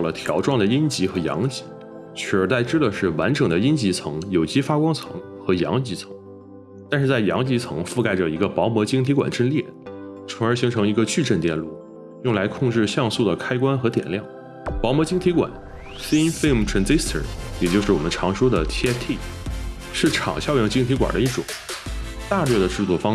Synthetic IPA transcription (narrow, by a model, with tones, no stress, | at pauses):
ɑ˥˩ʊlə˩t̪ʰjɑ˧˥ʊʈ͡ʂwɑ˥˩ŋd̪ə˩i˥nt͡ɕi˧˥xɤ˧˥jɑ̰˧˥ŋt͡ɕi̥˧˥ | t͡ɕʰɥɛ˥˧˩ə˞˧˥t̪a˥˩ɪʈ͡ʂɻ̩˥d̪ə˨ʂɻ̩˥˩wa˧˥nʈ͡ʂɤ˨˩ŋd̪ə˦i˥nt͡ɕi˧˥t͡sʰɤ̰˧˥ŋjo˨˩ʊt͡ɕi˥fa˥kwɑ˥ŋt͡sʰɤ˧˥ŋ | xɤ˧˥jɑ̰˧˥ŋt͡ɕi˧˥t͡sʰɤ̥˧˥ŋŋ | t̪a˥˧nʂɻ̩˥˧t͡sa˥˩ɪjɑ̰˧˥ŋt͡ɕi˧˥t͡sʰɤ̰˧˥ŋfu˥˧ka˥˩ɪʈ͡ʂə˩i˧˥ɡə˧pɑ˧˥ʊmwɔ˧˥t͡ɕi˥ŋt̪ʰi˧˥kwa̰˨˩nʈ͡ʂə˥˧nljɛ˥˩ | t͡sʰɤ˧˥ŋə˞˧˥ɕi˧˥ŋʈ͡ʂʰɤ˧˥ŋi˧˥ɡə˧t͡ɕy˥˧ʈ͡ʂə˥˧nt̪jɛ˥˧nlu˥˩ | jʊ˥˩ŋla˧˥ɪkʰʊ˥˧ŋʈ͡ʂɻ̩˥˧ɕjɑ˥˧ŋsu˥˩d̪ə˩kʰa˥ɪkwa˥nxɤ˧˥t̪jɛ̰˨˩nljɑ˥˩ŋ | pɑ˧˥ʊmwɔ˧˥t͡ɕi˥ŋt̪ʰi˧˥kwa̰˨˩˦n | si˥nfe˥m̩˨ʈ͡ʂʰɹə˧˥nt͡si˥st̪ʰə̰˨˩jɛ˨˩t͡ɕjo˥˧ʊʂɻ̩˥˩wɔ˨˩ə˦nʈ͡ʂʰɑ˧˥ŋʂɔ˥d̪ə˨t̪ʰi˥ɛ˥t̪ʰi˥˩ | ʂɻ̩˥˩ʈ͡ʂʰɑ̰˨˩ŋɕjɑ˥˧ʊjɛ˧˥ŋt͡ɕi˥ŋt̪ʰi˧˥kwa̰˨˩d̪ə̰˦i˥˩ʈ͡ʂʊ̰˨˩˦ŋ | t̪a˥˧lɥɛ˥˩d̪ə˩ʈ͡ʂɻ̩˥˧t͡swɔ˥˩fɑ˥ŋ